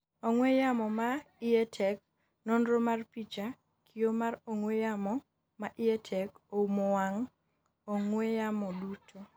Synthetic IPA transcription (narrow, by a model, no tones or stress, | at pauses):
oŋwejamɔmaɪɛtʰɛk̚ | nondɾomarpit͡ʃa | kʰiomaɾoŋwejamɔ | maʔɪɛtʰɛkoumowaŋ | oŋwejamɔdutʰo